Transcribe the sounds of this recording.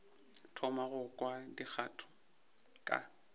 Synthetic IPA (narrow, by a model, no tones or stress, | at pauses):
tʰɔmaɣʊkʼwadik͡xʰatʰʊ̥ | kʼa̰